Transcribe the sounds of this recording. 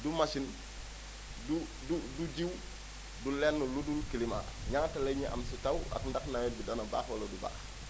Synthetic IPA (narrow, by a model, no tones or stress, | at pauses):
dumasin | du | duduɟiw | dulɛnːuludulkilima̰ɲaŋtɐleɲiʔɐ̰msitawa̰kndaknawɛt̚bidanɐba̰ːxwalɐduba̰ːx